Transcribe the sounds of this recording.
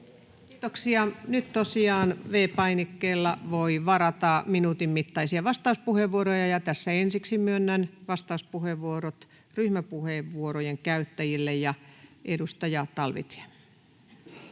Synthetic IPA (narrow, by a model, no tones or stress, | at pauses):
kiːt̪oksiɑnyt̪t̪osiɑːnʋeːpɑinikːeːlːɑʋoiʋɑɾɑt̪ɑminuːt̪immit̪ːɑisiɑʋɑst̪ɑuspuheʋʋuoɾojɑjɑt̪æsːæensiksimyønːænʋɑst̪ɑuspuheʋʋuoɾot̪ | ryhmæpuheːʋʋuoɾojeŋkæyt̪ːæjilːejjɑʔedust̪ɑjɑt̪ɑlʋḭt̪e̥